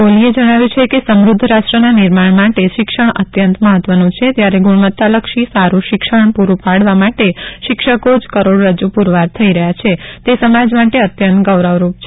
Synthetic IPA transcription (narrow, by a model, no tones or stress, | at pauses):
olied͡ʒəɽ̃aʋjũt͡ʃʰekesəmɾʊd̪ʱːɾasʈɾənanɪɾmaɳmaʈeʃɪkʃəɳ̃ə̰t̪jənt̪məɦət̪ʋənũt͡ʃʰet̪jaɾeɡuɽ̃ʋət̪ːaləkʃisaɾũʃɪkʃəɳpuɾũpaɽʋamaʈeʃɪkʃəkod͡ʒkəɾoɽɾəd͡ʒupuɾʋaɾt̪ʰəiɾəɦjat͡ʃʰet̪esəmad͡ʒmaʈeət̪jənt̪ɡəʋɾəʋɾup̚t͡ʃʰe